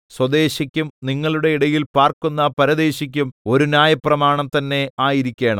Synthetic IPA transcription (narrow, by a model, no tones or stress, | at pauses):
swɐd̪e̞ːɕɐkʲːumniŋːɐɭuɽe̞iɽɐjilpaːrkunːɐpɐɾɐd̪e̞ːɕik̬ʲːumo̞ɾunjaːjɐprɐmaːɳɐmt̪ɐnːe̞aːjiɾikʲːeːɳɐ̰